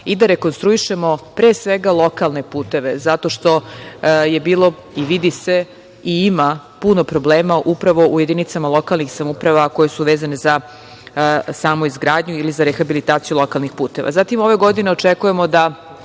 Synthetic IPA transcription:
id̪aɾe̞konst̪ɾuiʃe̞mo̞pɾeːsʋeɡalˠo̞kalˠne̞puːt̪e̞ʋe̞zat̪o̞ʃt̪o̞je̞biːlˠo̞ | iʋid̪ise̞ | iima | punopɾo̞bleːmaʔupɾaʋo̞uje̞d̪init̪samalˠo̞kalˠnixsamupɾaʋako̞je̞suʋeːzaneza | saːmuizɡɾaːd̪ɲuilizaɾexabilit̪aːt̪sijulo̞kalˠnixpuːt̪e̞ʋʔa̰zat̪imo̞ʋe̞ɡo̞d̪ine̞ot͡ʃekuje̞mo̞d̪a

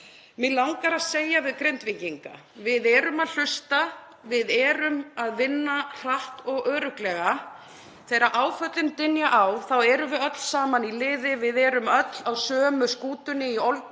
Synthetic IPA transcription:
mɪlawŋkaɾaðseːjavɪðkɾent̪vɪɲciŋka̰ | vɪðɛɾʏmaðl̥ʏst̪a | vɪðɛːɾʏmaðvɪnːar̥aht̪ɔɣœːɾʏklɛɣa | θejɾaʔaːwfœt̪lɪnt̪ɪnjaʔawθawɛɾʏvɪðœt̪l̥saːmanilɪːðɪvɪðɛɾʏmœt̪lawsœːmʏskuːt̪ʏnːɪiol

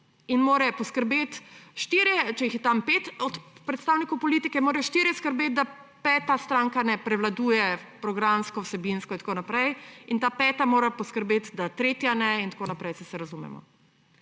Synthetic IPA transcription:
inmoːɾɛpɔskəɾbeːt̪ʃt̪iɾjɛt͡ʃɛjixjɛt̪ampet̪ɔt̪pɾɛt̪st̪aːwnikowpɔlit̪ikɛmoːɾɛjʃt̪iːɾjɛskəɾbet̪̚d̪a | pɛːt̪ast̪ɾaŋkanɛpɾɛʋlad̪ujɛpɾɔɡɾamskɔwsɛbinskɔint̪koːnapɾɛjint̪aːpɛːt̪amoːɾɛpɔskəɾbeːt̪d̪at̪ɾeːt̪janɛint̪akoːnapɾɛjsɛsɛɾazumɛ̰mɔ̰

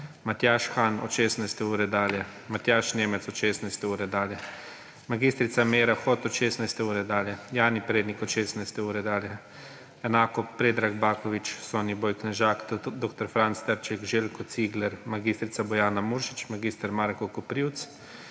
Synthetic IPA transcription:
mat̪jaːʃxaːnɔ̰ʃeːsnajst̪ɛuːɾɛd̪aːljɛ | mat̪jaːʃneːmɛt̪sɔt̪ʃeːsnajst̪ɛuːɾɛd̪aːljɛ | maɡiːst̪ɾit̪sameːɾaxɔt̪ɔt̪ʃeːsnajst̪ɛuːɾɛd̪aːljɛjaːnipɾeːd̪nikɔt̪ʃeːsnajst̪ɛuːɾɛd̪aːljɛ | ɛnaːkɔpɾeːd̪ɾaɡbaːkɔʋit͡ʃsɔnibɔjknɛʒaːkd̪ok̚t̪ɔɾfɾant̪st̪əɾt͡ʃɛkʒelkɔt̪siːɡlɛɾmaɡist̪ɾit̪sabɔjaːnamuːɾʃi̥t͡ʃmaɡist̪əɾmaːɾkɔkɔpɾiwt̪s

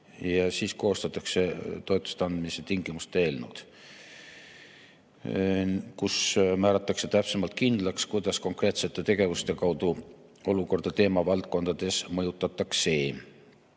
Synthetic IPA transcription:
jɑsiːsko̞ːst̪ɑt̪ːˑɑkse̞t̪o̞et̪ːˑu̥st̪ɑnd̪̥miset̪iŋɡimust̪e̞ːlnud̪̥ | kusmæːɾɑt̪ːˑɑkse̞t̪æpsemɑlt̪̚kind̪lɑkskujd̪̥ɑsko̞ŋkre̞ːt̪se̞t̪ˑːe̞t̪e̞ɡ̥e̞vust̪e̞kɑwd̪̥u | o̞luko̞rd̪ɑt̪e̞ːmɑvɑlt̪̚ko̞nd̪̥ɑd̪̥e̞smɤjut̪ːˑɑt̪ːˑɑkse̞ː

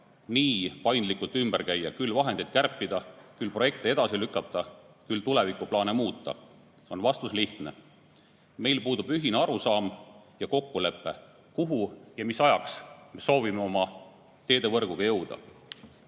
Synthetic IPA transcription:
niːpɑjnd̪likult̪ymb̥æɾkæjːɑkylːvɑɦend̪̥ejd̪̥kæɾpːˑid̪ɑkylpro̞je̞kt̪ee̞d̪̥ɑsilykːˑɑtt̪ːɑ | kylt̪ule̞vikˑuplɑːnemuːt̪ːˑɑ̰ | o̞nvɑst̪usliht̪ne̞̰ | me̞jlpuːd̪ub̥yɦineɑɾusɑːmjɑko̞kːule̞pːˑe̞ | kuɦujɑmisɑjɑksme̞so̞ːvime̞o̞mɑ | t̪e̞ːd̪e̞vɤrɡ̥uɡ̥ɑjɤwd̪̥ɑ̰

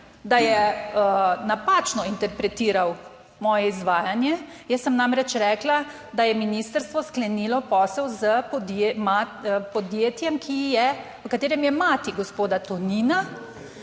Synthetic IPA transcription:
d̪ajɛənapaːt͡ʃnɔint̪ɛɾpɾɛt̪iːɾaw | mɔːjɛizʋaːjanjɛjəsːəmnamɾɛt͡ʃɾɛːkla | d̪ajɛminist̪əɾst̪ʋɔsklɛniːlɔpɔsɛwzəpɔd̪emapɔd̪jeːt̪jɛmkʰijɛʋəkat̪eːɾɛmjɛmaːt̪iɡɔspoːd̪at̪ɔnina

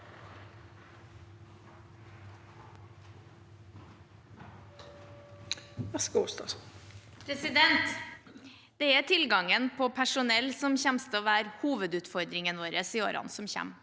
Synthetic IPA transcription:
æskɑʊst̪ɑs | pʰɾɛsɪd̪ɛnt̪ | d̪̥ɛɛt̪ʰɪlɡɑŋənpʰɔpʰæʂʊnɛlsɔmçæmst̪oːʋæːɾhuːʋəd̪ʉːt̪fɔɾd̪ɾɪŋənʋoːɾəsiːo̰ːɾɑ̰nsɔmçæ̰m

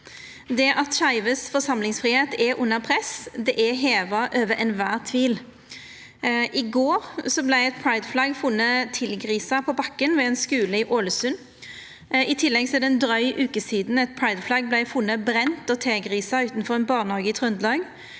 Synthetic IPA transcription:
d̪ɛʔɑt̪ʃɑɪʋəsfɔsɑmlɪŋsfʁiːheːt̪ɛʔʊnːəʁpʰʁɛsd̪ɛʔɛɦeːʋɑʔøːʋəɾʔɛnʋæːʁt̪ʰʋiːl | ʔɪɡoːʁsɔblæɪɛt̪̚pʰɹɑɪd̪flɑɡfʊnːət̪ʰɪlɡʁiːsɑpʰɔbɑkːənʋɛɛnskʉːləɪʔoːləsʉnː | ɪt̪ʰɪlːɛɡsɔɛd̪ɛnd̪ɾœʏʔʉːkəsiːd̪n̩ɛt̪̚pʰɹɑɪd̪flɑɡ̚blæɪfʊnːəbʁɛnt̪ɔt̪ʰeːɡʁiːsɑʉːt̪n̩fɔʁɛnbɑːʁnɑɡət̪ʰʁʉnd̪lɑːɡ

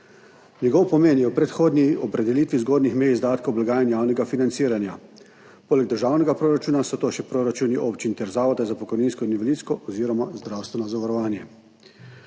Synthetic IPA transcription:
nʲɛɡɔːwpɔmeːnjɛwpɾɛt̪xoːd̪niɔpɾɛd̪ɛliːt̪ʋizɡoːd̪nixmɛjzd̪aːt̪kowblaɡaːjanjaːwnɛɡafinansiːɾanja | poːlɛɡ̚d̪əɾʒaːwnɛɡapɾoːɾat͡ʃuːnasɔt̪oːʃɛpɾoːɾat͡ʃuːniʔoːpt͡ʃint̪ɛɾzaːʋɔd̪azapɔkɔjniːnskɔiniʋɛlit̪skɔʔɔziːɾɔmazd̪ɾaːwst̪ʋɛnɔzaʋaɾɔʋaːnjɛ

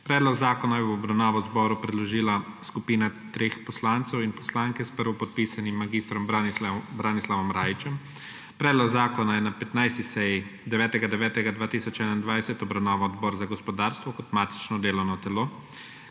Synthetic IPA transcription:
pɾɛːd̪lɔɡzaːkɔnajɛwɔbɾawnaːʋazbɔːɾupɾɛd̪lɔʒiːlaskupiːnat̪ɾeːxpɔslant̪sɛwinpɔ̥slaːŋkɛspəɾʋɔpɔt̪̚piːsanimːaɡist̪ɾɔmbɾaːnislaʋɔmɾaːjit͡ʃɛm | pɾɛːd̪lɔɡzaːkɔnajɛnapɛt̪najst̪isɛjd̪ɛʋɛːt̪ɛɡad̪ɛʋɛːt̪ɛɡad̪ʋaːt̪isɔt͡ʃɛːnaind̪ʋajsɛt̪ɔbɾawnaːʋaɔd̪bɔːɾzaɡɔspɔd̪aːɾst̪ʋɔkɔt̪maːt̪i̥t͡ʃnɔd̪eːlɔwnɔt̪ɛloː

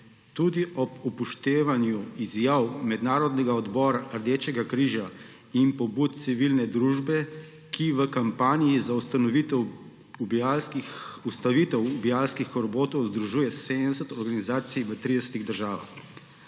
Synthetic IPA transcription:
t̪uːd̪iʔɔbupuʃt̪eːʋanjuizjaːwmɛd̪naːɾɔd̪nɛɡaɔd̪bɔːɾaʔəɾd̪eːt͡ʃɛɡakɾiːʒa | impɔbuːt̪̚t̪siʋilnɛd̪ɾuːʒbɛ | kiʋəkampaːnijizaust̪anɔʋit̪ɛw | ubiakiust̪aʋiːt̪ɛwubiaːlskixɔɾboːt̪ɔwzd̪ɾuʒuːjɛsed̪nɛsət̪ɔɾɡanizaːt̪sijʋət̪ɾid̪ɛsə̥t̪iɣd̪əɾʒaːʋa̰x

